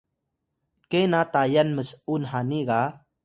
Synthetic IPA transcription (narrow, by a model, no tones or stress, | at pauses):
kenat̪ajanməsunɦaniɣa